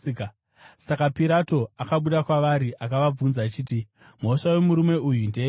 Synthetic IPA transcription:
k | sakapiɾato̞akaɓuɗakwaʋaɾiʔakaʋab͡vunzaːt͡ʃiːt̬i | mo̞ʂawe̞muɾume̞ujundeː

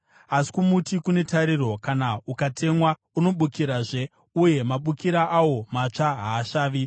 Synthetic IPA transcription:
asi̥kumutikune̞taɾiro̞kanaukatʰe̞mwa | uno̞ɓukiɾaʐe̞ | uje̞maɓukiɾaʔawo̞mat͡ʂaɦaːʃaːʋi

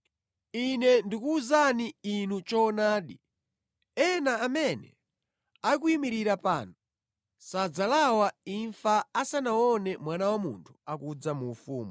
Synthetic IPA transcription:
inɛndikuuzaniinut͡ʃɔnaːɗi | ɛnaːmɛnɛ̰ | aikuimiɾiɾapa̰ːnɔ | sad͡zalawaiɱfaasanawɔnɛmwanawamuntʰu̥akud͡zamuːfuːmu

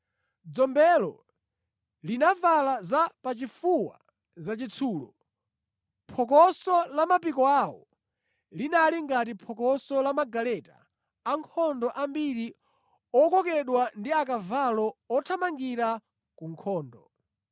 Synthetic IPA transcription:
d͡zɔmbɛlɔ̰ | linavalazapat͡ʃifuwa̰ | zat͡ʃit͡sʰuːlɔ̰ | pʰɔk̬ɔsɔlamapikɔawɔ̰ | linaliŋɡat̬ipʰɔkɔsɔlamaɡalɛta̰ː | ŋkʰɔndɔʔambiɾi | ɔkɔkɛɗwandiakavalɔɔtʰamaŋɡiɾa | kuŋkʰɔːndɔ

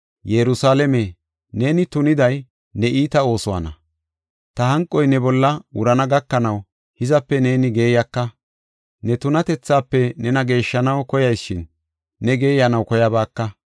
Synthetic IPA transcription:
jɛɾʊsaːlɛme | ne̞ːnɪt̪ʊnɪd̪ɐj | nɛʔiːt̪ɐo̞ːsʊwa̰nɐ̰ | t̪ɐɦɐŋkʼːɔjnɛbɔlːɐwʊɾɐnɐɡɐkːɐnɐw | hɪzɐpːɛne̞ːnɪɡe̞ːjɐkːɐ | nɛt̪ʊnɐt̪ɛt͡sːaːpːɛnɛnɐɡe̞ːʃːɐnɐwkɔjɐjsːɪnː | ɛɡe̞ːjɐnɐwkɔjɐbaːkːɐ

